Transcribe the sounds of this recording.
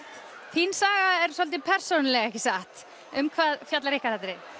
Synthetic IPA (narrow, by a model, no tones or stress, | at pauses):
θinsaːɣaɛɾ̥sɔlt̪ɪpʰɛr̥sɔnlɛɣaɛçcɪsaht̪ | ʏmkʰvaːðfjat̪laɾɪhkaθɛt̪ːɾɪ